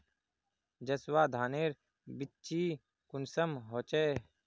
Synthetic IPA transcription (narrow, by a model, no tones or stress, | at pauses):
d͡ʒəswaːd̪ʱaːneːɾ | bɪt͡ʃiː | kʊnsəmɦoːt͡ʃeː